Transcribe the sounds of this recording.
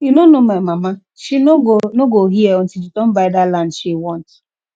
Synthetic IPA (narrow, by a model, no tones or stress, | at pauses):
inonomaɪmama | ʃinoɡoɦieɔn̩tid͡ʒitɔm̩vaɪdalandʃiwɔ̃nt